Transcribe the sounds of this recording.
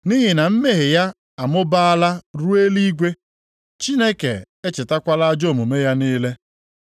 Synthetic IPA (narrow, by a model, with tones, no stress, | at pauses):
ni˦ɦɪ˨na˨m̩˦me˦ɦɪ˨ja˦ | a˨mʊ˦ba˦a˦la˦ɾu˦e˦li˦ɡʷe˦ | t͡ʃi˦ne˦kḛ˨ | e˦t͡ʃɪ˨ta˦kʷa˦la˦d͡ʒo˦˨mu˨me˦ja˦niː˦le˦